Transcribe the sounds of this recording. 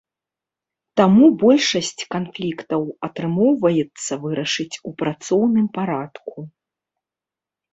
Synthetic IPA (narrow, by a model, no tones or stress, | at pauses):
t̪amubɔlʲʂɐsʲt͡sʲkanflʲikt̪ɐwɐt̪ɾɨmɔwvɐjɛt̪sːɐvɨɾɐʂɨt͡sʲupɾat̪sɔwnɨmpaɾat̪ku